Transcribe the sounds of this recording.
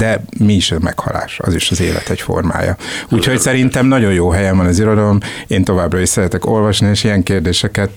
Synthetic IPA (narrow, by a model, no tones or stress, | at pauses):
d̪̥ɛmiːʃɒmɛ̰khɒ̰la̰ːʃɒ̰ziʃɒzḛːlɛ̰t̪ɛcfo̞̰rma̰ːjɒ̰uːcho̞csɛɾint̪ɛmnɒɟo̞njoːɦɛjɛɱvɒnɒziɾo̞d̪ɒlo̞meːnt̪o̞vaːbrɒiʃsɛɾɛt̪ɛko̞lvɒʃnieːʃijɛŋkeːrd̪eːʃɛkɛt̪